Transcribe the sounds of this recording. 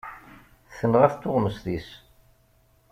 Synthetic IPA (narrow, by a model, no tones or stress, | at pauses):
θənʁæθt̪ːʊʁməsðis